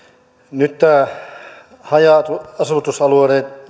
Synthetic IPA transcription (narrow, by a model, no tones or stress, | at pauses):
nyt̪ːæ | hɑjɑt̪uɑsut̪usɑlueɾeːt̪